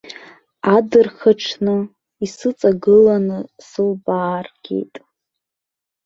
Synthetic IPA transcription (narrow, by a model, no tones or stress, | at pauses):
adɨrχaʈ͡ʂʰnɨ | isɨt͡sʼaɡɨlanɨsɨlbaːrɡʲe̞̰jtʼ